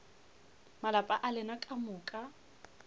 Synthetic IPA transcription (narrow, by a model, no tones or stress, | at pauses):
malapʼaʔalɪnakʼamʊːkʼa